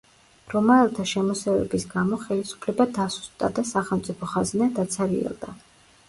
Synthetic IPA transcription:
ɾɔmaɛlˠt̪ʰaʃɛmɔsɛvɛ̰bisɡamɔχɛlisu̥pʰlɛbad̪asu̥st̪d̪ad̪asaχɛlˠmt̪sʼipʰɔχaznɛd̪at̪sʰaɾiɛ̰lˠd̪a

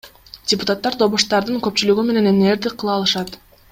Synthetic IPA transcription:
dʲɪpʊt̪at̪ːɑɾd̪o̞βuʃt̪ɑɾd̪ɯŋkø̞pt͡ʃylyɡyme̞ne̞neneɾd̪iqʰːɯlˠɑːlˠɯʃɑt̪

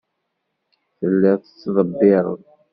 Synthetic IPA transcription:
θəlːɪʁθət͡sːðˤəbːɪɾˤə̰ð

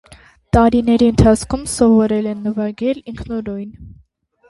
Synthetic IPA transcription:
t̪ɑɾinɛɾiənt̪ʰɑt͡sʰkʰumsɔvɔɾɛlɛnːəvɑɡɛliŋkʰnɔɾɔjn

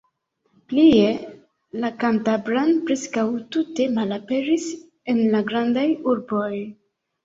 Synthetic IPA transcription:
plie̞ | lakantabɾanpɾe̞skawtute̞malape̞ɾis | e̞nlaɡɾandajuɾbo̞j

